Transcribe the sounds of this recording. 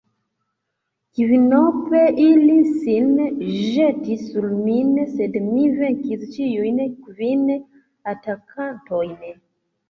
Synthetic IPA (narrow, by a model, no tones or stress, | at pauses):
kivinopeʔilisinʒetisːulminsedmiveŋkist͡ʃijujnkvin | atakʰantojn